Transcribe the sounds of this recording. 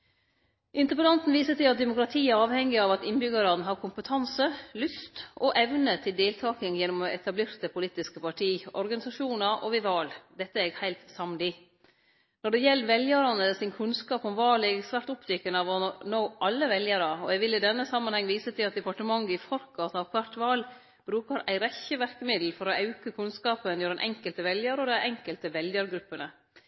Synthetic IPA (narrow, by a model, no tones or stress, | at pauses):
ʔɪnt̪əɾpənɑnt̪n̩ʋiːsət̪ʰɪlɑt̪̚d̪ɛmʊkɾɑt̪ʰiːæɾɑːʋhɛŋːɪɑʋɑt̪ɪnbʏɡəɾɑnəɦɑɾkʰʊmpət̪ʰɑnsəlʉst̪ʔɔʔɛʋnət̪ʰɪld̪eːlt̪ʰɑːkɪŋjɛnːʊmɔɛt̪ʰɑbleːɾt̪əpʰʊlit̪ːɪskəpʰɑʈʰiːɔɾɡɑnɪsɑʂuːnɑʔɔʋɪʋɑːld̪ɛt̪ːəɛɡhæɪlt̪sɑmlɪ | nɔɖɛjɛlːʋɛljəɾɑnəsɪnkʰʉnskɑːpɔmʋɑːlɛɡsʋæːɾʈ̪ʊpt̪ʏkːənɑʋɔnoːʔɑlːəʋɛljəɾɑɔɛɡʋɪlːɪd̪ɛnːəsɑmːɑnhɛŋːʋiːsət̪ʰɪlɑt̪̚d̪ɛpɑʈəmɑŋːəɪfɔɾkʰɑnt̪ɑʋkʰʋɑɾt̪ʋɑːl | b̥ɾʉːkəɾæɪɾɛçəʋæɾkəmɪd̪l̩fɔɾɔɑʉkəkʰʉnskɑːpənjøːɾənʔɛ̰ŋkəlt̪əʋɛljəɾɔd̪æɪʔɛŋkəlt̪əʋɛljəɾɡɾʉpːənə